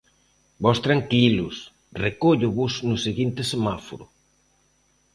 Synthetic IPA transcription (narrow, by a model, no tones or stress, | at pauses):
bɔst̪ɾaŋkilʊs | rekoʎʊβʊznʊseɣint̪ɪsemafo̰ɾʊ̰